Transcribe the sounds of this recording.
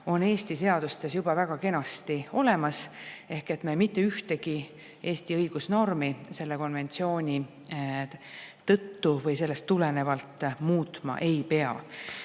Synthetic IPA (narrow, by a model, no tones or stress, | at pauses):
o̞ne̞ːst̪ise̞ɑd̪̥ust̪e̞sjub̥ɑvæɡ̥ɑke̞nɑst̪io̞le̞mɑse̞hke̞t̪memit̪ːe̞yht̪e̞ɡ̥i | e̞ːst̪iɤjɡ̥usno̞rmise̞lːe̞ko̞nve̞nt̪sio̞ːnʲi | t̪ɤ̞t̪ːuvɤjse̞lːe̞st̪ːule̞ne̞vɑlt̪ːˑmuːt̪ˑmɑ̰ʔe̞jpe̞ɑ̰